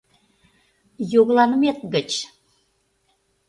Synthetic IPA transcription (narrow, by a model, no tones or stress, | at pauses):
joɣlɑnəmet̪ɣət͡ɕ